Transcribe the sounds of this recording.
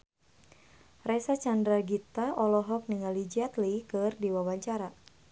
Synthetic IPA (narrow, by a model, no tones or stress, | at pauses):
rɛsat͡ʃandɾaɡit̪aʔɔlɔɦɔk̚niŋalid͡ʒiat̪likɨrdiwawaɲt͡ʃaɾa